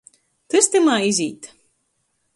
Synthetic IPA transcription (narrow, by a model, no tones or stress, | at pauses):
t̪ɨst̪ɨmaːizʲiːt̪